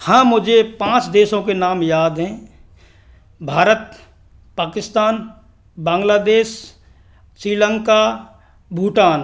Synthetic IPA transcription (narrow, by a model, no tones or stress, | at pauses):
hãːmʊd͡ʒʱepãːt͡ʃd̪eːʃõkenaːmjaːd̪ɦɛ̃ː | bʱaːɾət̪̚ | paːkɪst̪aːn | bãːŋɡlaːd̪eːʃ | sɾiːlə̃ŋka | bʱuːʈaːn